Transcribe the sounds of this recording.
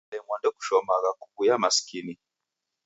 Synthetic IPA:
ɛmwandɛku̥ʃɔmaɣaku̥kujamasi̥kini

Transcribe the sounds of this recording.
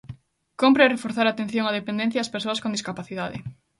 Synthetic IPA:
kompɾerefoɾθaɾat̪ẽn̟θjoŋɐð̞epẽnd̪ẽn̟θjaːspeɾsoɐskõnd̪iskapaθiðaðɪ̰

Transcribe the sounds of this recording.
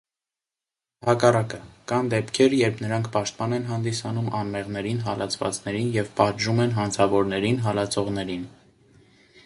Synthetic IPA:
hɑkɑrɑkəkɑnd̪ɛpkʰɛɾjɛɾpʰnəɾɑŋkʰpɑʃt̪̚pɑnɛnɦɑnd̪isɑnumɑnmɛʁnɛɾinɦɑlʔɑt͡sʰvɑ̰t͡snɛɾinjɛvpɑd̪ʒumɛnɦɑnt͡sʰɑvɔɾnɛɾinɦɑlɑt͡sʰɔʁnɛɾin

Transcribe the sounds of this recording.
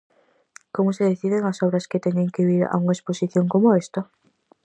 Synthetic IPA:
komʊseðeθiðeŋasɔβɾɐsket̪eɲeŋkeβiɾa̰uŋaesposiθjoŋkomoest̪o

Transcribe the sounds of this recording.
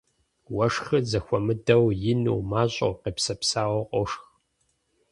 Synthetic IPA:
wɐʂxɨzɐxʷɔmɨdɐwjɪnṵːmaːɕʼɐ̰wqeːpsɐpsaːwɔqʷʼɔʂx

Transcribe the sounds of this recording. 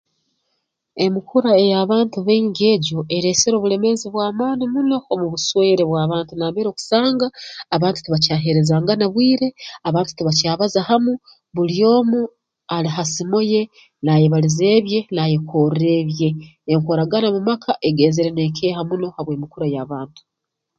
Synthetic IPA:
e̞mikuɾae̞jaβaːntuβeːɲɡie̞ːɟo̞ʔe̞ɾe̞seɾo̞ːβule̞me̞ziβwaːmaːnimuno̞ːmuβuswe̞ːɾeβwaːβaːntunaβeːɾoku̥saːŋɡaːβaːntu̥tiβacaɦe̞ɾe̞zaːŋɡanaβwiːɾe̞aβaːntu̥tiβacaːβazahamu | βuljo̞ːmu | aliɦasimoje̞ | najeβalize̞ːβje̞naje̞koːɾe̞ːβje̞ːŋkoɾaɡanamumakʰaʔe̞ɡeːzeɾene̞kʰeːhamuno̞haβweːmikuɾajaβaːntu̥

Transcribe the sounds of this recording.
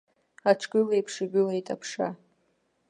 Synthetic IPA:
aʈ͡ʂʰɡɨlajpʰʂɨɡʲʷʊlaitʼapʰʂa̰

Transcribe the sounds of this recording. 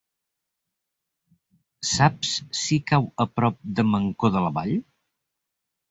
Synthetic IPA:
sapssikawəpɾɔp̚d̪əməŋkoðələβa̰ʎ

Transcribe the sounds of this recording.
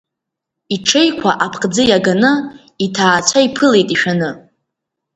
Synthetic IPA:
iʈ͡ʂʰe̞jkʷʰaʔapʰqʼd͡zɨjaɡanɨ | itʰaːt͡ɕʷʰaipʰɨle̞jtʼiʃᶣanɨ

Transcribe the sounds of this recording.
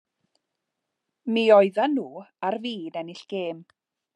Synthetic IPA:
miːɔɨðanːuːarviːdɛnɪɬɡ̥eːm

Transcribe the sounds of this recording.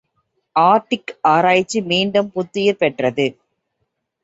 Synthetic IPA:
ʔaːɾʈːɪkaːɾaːjɪt͡ʃːimiːɳɖɐmpʊt̪ːɪjɐɾpɛʈrɐðɯ

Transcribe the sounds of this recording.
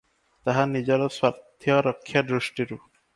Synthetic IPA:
t̪aɦanid͡ʑɔɾɔswaɾt̪ʰːjɔɾɔkʰːjad̪ɾuʃʈiɾu

